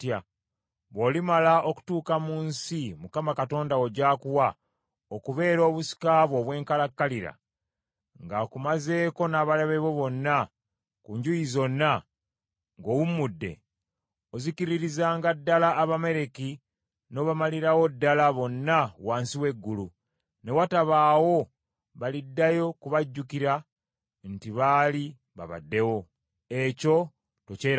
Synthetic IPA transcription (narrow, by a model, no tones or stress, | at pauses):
tja | βo̞ːlimalaʔoku̥tuːkamuːnsimukamakato̞ːndao̞ɟaːkuwa | okuβe̞ːɾo̞ːβusi̥kaβo̞ːβwe̞ːŋkalakːaliɾa̰ | ŋɡakumaze̞ːko̞naːβaleβeβoβo̞nːa | kuːɲɟujizo̞nːa | ŋɡowumudːe̞̰ | ozikiɾiɾizaːŋɡadːalaʔːβame̞ɾe̞ki | no̞ːβamaliɾawo̞dːalaβo̞nːawaːnsiwe̞ɡːulu | ne̞wataβaːwo̞ | βalidːajo̞kuβaɟːukiɾa | ntiβaːli | βa̰βa̰dːe̞wo̞ | e̞co̞ | to̞ceː